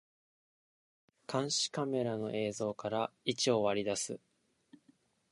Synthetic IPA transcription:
kʰãɰ̃ɕi̥kame̞ɾano̞ʔe̞ːzo̞ːkaɾait͡ɕio̞βaɾʲid̪asɨ

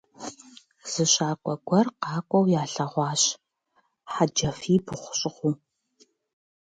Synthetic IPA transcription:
z̥ɨɕʼaːkʷʼɔɡʷɐrqɑːkʷʼɔwjaːɬɐʁʷɑːɕ | ħad͡ʒɐfiːbɨχʷʊɕʼɪχʷuː

